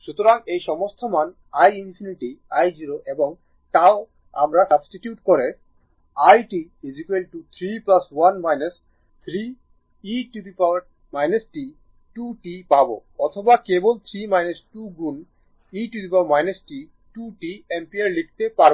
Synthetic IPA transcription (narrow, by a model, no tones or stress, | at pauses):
ʃut̪oɾaŋejʃɔmost̪ʰoman | ajinpʰiniʈiajd͡ʑiɾoʔeboŋ | t̪ao | a̰mɾasabsʈiʈjuʈkoɾe | ajʈiɖid͡ʑikelʈut̪ʰɾiplaswanmajnas | t̪ʰɾiː | ʈibipaaʈ̚ | majnesʈi | ʈuʈipabo̰ɔt̪ʰobakebolt̪ʰɾimajnesʈuɡɾun | iʈib̪ipawmajnesʈi | ʈuʈiempieɾlik̚ʰt̪epaɾ